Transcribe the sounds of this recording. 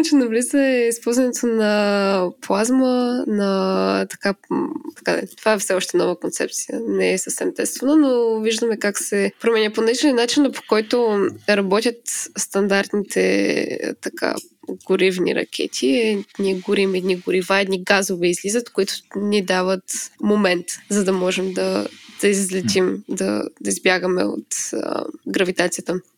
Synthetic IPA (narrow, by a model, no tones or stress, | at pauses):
t͡ʃɛnɐvlizəɛispɔlˠzvɐnɛt̪ʰonɐplˠazmənɐt̪ɐ̥kat̪ɐ̥kad̪̰t̪ovaɛfsɛɔʃt̪ɛnɔvəkont̪sɛ̰p̚t̪si̥jə̰nɛɛsəfsɛmt̪ɛst̪vɐnənoviʒd̪əmɛkaksɛpɾomɛnʲəponɐlit͡ʃɛnʲinat͡ʃinəpo̥kɔjt̪oɾɐbɔt̪ʲjət̪st̪ɐnd̪aɾt̪nit̪ɛ̰t̪ɐkʰa̰ | ɡ̥ʊɾivnʲḭɾɐ̰kʰʲɛ̰t̪ʰiɛnʲiɛɡʊɾimɛd̪niɡʊɾivaɛd̪niɡazovɛizlizət̪kʊit̪ʊ̥nʲid̪avət̪momɛnt̪zɐd̪ɐmɔʒɛmd̪ɐd̪̥ɐizzlɛt͡ʃ̪imd̪ɐ̰d̪ɐizbjaɡəmɛ̰o̰t̪ | ɡɾɐvit̪at̪sijət̪ə